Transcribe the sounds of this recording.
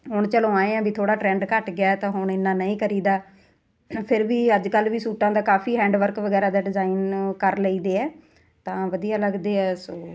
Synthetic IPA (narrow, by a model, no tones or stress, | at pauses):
ɦʊɳ̃t͡ʃəlõːaːeːãːbiːt̪ʰoːɽaːʈɾɛ̃ːɳɖkəʈɡɪjaːɛt̪ãːɦʊɳ̃ɪnːãːnəĩːkəɾiːd̪aː | pʰɪɾʋiːəd͡ʒkəlʋiːsuːʈãːd̪aːkaːfiːɦɛ̃ːɳɖʋəɾkʋəɡɛːɾãːd̪aːɖɪzaːiːnkəɾləiːd̪eːɛː | t̪ãːʋəd̪ijaːləɡd̪eːɛːsoː